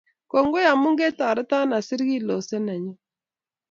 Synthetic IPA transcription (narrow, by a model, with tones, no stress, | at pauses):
kɔ˨ŋɡo˦ja˨mu˦ŋɡe˦ta˨ɾɪ˦ta˦na˨sɪ˦ɾɣi˦lɔ˨sɛ˦nɛ˨ɲɛ˦